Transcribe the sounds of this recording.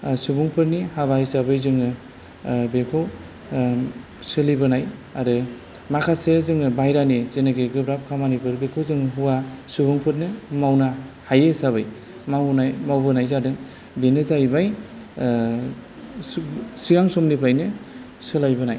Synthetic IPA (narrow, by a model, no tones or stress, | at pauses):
subuŋpʰɯɾnihabajsabɯjzɯŋɯ | bekʰo | sɯlibɯnajaɾɯ | makʰasezɯŋɯbajɾaniz̥enaɡeɡɯbɾap̚kʰamanipʰɯɾbekʰozɯŋɦuwasubuŋpʰɯɾnɯmawnahajesaβɯj | mawnajmawbɯnajzadɯŋ | benɯzajbaj | siɡaŋsɔmnipʰajnɯ | sɯlajbɯnaj